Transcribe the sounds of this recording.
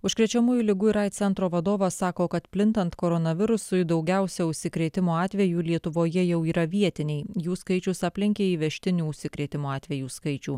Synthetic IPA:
ʊʃʲkɾʲɛt͡ʃʲɛmuːjʊlʲɪɡʊɪɾɐɪt̪t̪sʲɛnt̪ɾoːʋɐd̪oːʋɐsɑːkoːkɐt̪pʲlʲɪnt̪ɐnt̪koːɾɔnɐʋʲɪɾʊsʊɪd̪ɒʊɡʲɛˑʊsʲɛʊʃʲsʲɪkɾʲeːt̪ʲɪmoːɑːt̪ʲʋʲɛjuːlʲiɛt̪ʊʋoːjɛjɛʊiːɾɐʋʲiɛt̪ʲɪnʲɛɪjuːskɐɪt͡ʃʲʊsɑːpʲlʲɪŋʲkʲeːiːʋʲɛʃʲt̪ʲɪnʲuːʊʃʲsʲɪkɾʲeːt̪ʲɪmoːɑːt̪ʲʋʲɛjuːskɐɪt͡ʃʲuː

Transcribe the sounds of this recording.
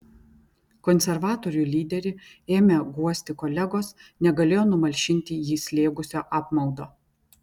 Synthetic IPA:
kɔnʲsʲɛɾʋɑːt̪oːɾʲuːˑlʲiːd̪ʲɛɾʲɪeːmʲeɡuɔsʲt̪ʲɪkɔlʲɛɡoːsnʲɛɡɐlʲeːjoːnʊmɐlʲʃʲɪnʲt̪ʲɪjiːsʲlʲeːɡʊsʲoːʔɑːpmɐʊd̪oː

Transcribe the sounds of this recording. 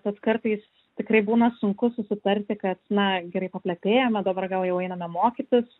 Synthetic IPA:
t̪ɐt̪skɐrt̪ɐɪs | t̪ʲɪkɾɐɪbuːnɐsʊŋkʊsʊsʲɪt̪ɐɾʲt̪ʲɪkɐt̪nɐɡʲɛɾɐɪpɐpʲlʲɛpʲeːjomʲɛd̪ɐbɐrɡɐlˠjɛʊɛɪnɐmʲɛmoːkʲit̪ʲɪs

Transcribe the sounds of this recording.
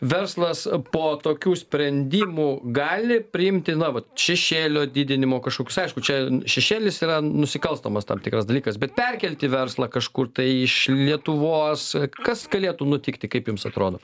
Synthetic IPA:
ʋʲɛrslˠɐspoːt̪oːkʲuːsʲpʲɾʲɛnʲd̪ʲiːmuːɡɑːlʲɪpʲɾʲɪɪmʲt̪ʲɪnɐʋɐt̪ʃʲɛʃʲeːlʲoːd̪ʲiːd̪ʲɪnʲɪmoːkɐʃkoːkʲʊsɐɪʃkʊt͡ʃʲɛʃʲɛʃʲeːlʲɪsiːrɐnʊsʲɪkɐlˠst̪oːmɐst̪ɐ̰ːmt̪ʲɪkɾɐsd̪ɐlʲiːkɐsbʲɛt̪̚pʲɛrʲkʲɛlʲt̪ʲɪʋʲɛrslˠɐkɐʃkʊrt̪ɐɪɪʃlʲiɛt̪ʊʋoːskɐsɡɐlʲeːt̪uːnʊt̪ʲɪkt̪ʲɪkɐɪpjʊmsɐt̪ɾoːd̪oː

